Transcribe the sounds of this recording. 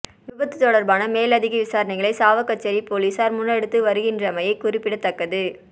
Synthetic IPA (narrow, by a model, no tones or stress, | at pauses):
ʋɪbɐt̪ːɯt̪ːɔɽɐɾbaːnɐmeːlɐðɪɣɐʋɪsaːɾɐnɐɪɣɐɭɐɪsaːʋɐkːɐt͡ʃːɐɾipoːliːsaːɾmʊnːɐɽɯt̪ːɯʋɐɾɯɣɪndrɐmɐjɐɪkʊrɪpːɪɽɐt̪ːɐkːɐðɯ